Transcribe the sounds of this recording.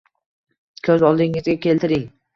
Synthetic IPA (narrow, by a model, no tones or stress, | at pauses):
kʰɵzɒlˠd̪ɪŋɪzɡʲakʲʰe̞lt̪ɪɾɪŋ